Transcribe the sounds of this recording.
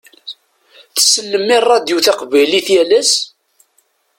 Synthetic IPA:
θə̥sːəlːəmːɪrˤːɑd̪juθæqvæjliθjæləs

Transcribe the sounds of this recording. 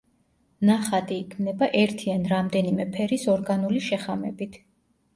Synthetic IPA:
naχat̪ʼiːkʰmnɛbaʔɛɾt̪ʰianɾamd̪ɛnimɛpʰɛɾisɔɾɡanuliʃɛχamɛbit̪ʰ

